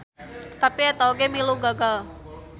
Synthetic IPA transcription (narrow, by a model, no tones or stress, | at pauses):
t̪apiat̪awɡemiluɡaɡal